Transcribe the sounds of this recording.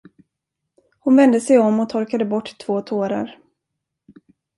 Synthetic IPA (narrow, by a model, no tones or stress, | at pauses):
hʊnvɛnd̪əsɛjɔmːɔt̪ʰɔɾkad̪əbɔʈːt̪ʰv̥oːt̪ʰoːɾa̰ɾ